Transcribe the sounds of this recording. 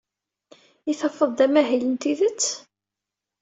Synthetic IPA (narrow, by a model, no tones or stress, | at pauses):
iθɑfəðˤðæmæɦilənt̪iðət͡sː